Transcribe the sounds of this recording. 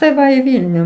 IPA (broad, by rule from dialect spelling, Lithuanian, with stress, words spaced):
tɐɪ ˈʋɐ iː ˈʋʲiːlʲnʲuː